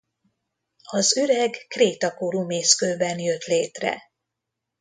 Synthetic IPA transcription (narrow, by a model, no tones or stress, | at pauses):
ɒzyɾɛɡkreːt̪ɒkoɾumeːskøːbɛnjøt̪leːt̪rɛ̰